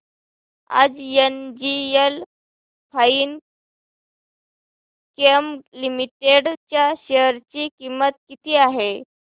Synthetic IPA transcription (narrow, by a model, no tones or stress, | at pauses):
a̰d͡zjend͡ʑiəl | fʰaiːn | kemlimiʈeɽt͡ɕjaɕeəɾt͡ɕikimːət̪̚kit̪ʰiːaɦe